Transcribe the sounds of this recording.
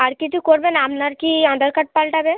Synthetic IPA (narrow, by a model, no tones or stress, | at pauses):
aɾkit͡ʃʰukoɾbenamnaɾkiãnd̪əɾkaʈ̚palʈabe